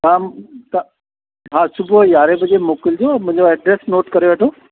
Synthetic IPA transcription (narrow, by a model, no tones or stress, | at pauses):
ɦãːt̪ɐ | ɦãːsʊbʱujaːɾebɐd͡ʑemoːkɪld͡ʑoːmʊ̃ɦɪ̃ɲd͡ʑoɛːɖɾeːsnoːʈkɐɾeʋeːʈʰoː